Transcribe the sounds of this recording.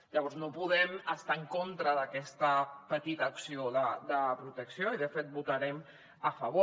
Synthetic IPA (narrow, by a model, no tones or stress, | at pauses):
ʎəβɔɾznopuðɛməst̪aəŋkont̪ɾəðəkɛst̪əpət̪it̪əːksioðəd̪əpɾut̪əksioiðəfet̪̚but̪aɾɛm | əfəβ̞o